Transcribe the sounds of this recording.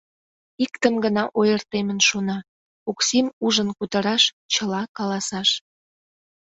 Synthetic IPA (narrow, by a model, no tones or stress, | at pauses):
ikt̪əmɡənɑʔojərt̪emənʃonɑ | oksimuʒənkut̪əɾɑʃ | t͡ɕəlɑkɑlɑsɑʃ